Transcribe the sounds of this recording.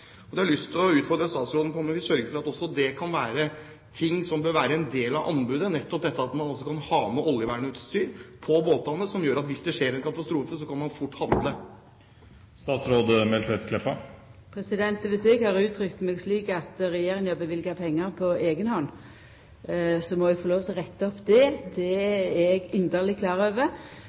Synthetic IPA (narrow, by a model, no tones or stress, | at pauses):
ɔd̪ɛhɑɭʏst̪ʰɪɔʉːt̪fɔɾd̪ɾəst̪ɑːt̪sɾoːd̪nəpʰɔnmːnʋiːsœɾɡəɾfɔɾɑt̪ɔsːɔd̪ɛkʰɑnʋæːɾə | t̪ʰɪŋːsɔmbøːɾʋæːɾəɛnd̪eːlɑʋʔɑ̰nbʉːd̪ənɛt̪ːɔp̚d̪ɛt̪ːəɑt̪mɑnɔlsːɔkʰɑnhɑːməʔɔljəʋæːɳəʉːt̪st̪yːɾpʰɔboːt̪ɑnːəsɔmjøːɾɑt̪ʋɪsd̪ɛʂeːɾɛnkʰɑt̪ɑst̪ɾuːfəsɔkʰɑnmɑnfʊʈːhɑnd̪lə | st̪ɑːt̪sɾoːd̪əmɛlfɾɛt̪kʰlɛpɑpʰɾɛsɪd̪ɛnt̪ʋɪsɛɡhɑʁʉːt̪ʰɾʏkt̪mɛːɡsliːkɑt̪ʁɛjeːɾɪŋɑbəʋɪlɡɑpʰɛŋːəɾpʰɔeːɡənhɔnː | sɔmɔɛɡfɔloːʋt̪ʰɪlʁɛt̪ːəɔpːd̪ɛd̪ɛɛɡʏnd̪əʁlɪkʰlɑːʁøːʋə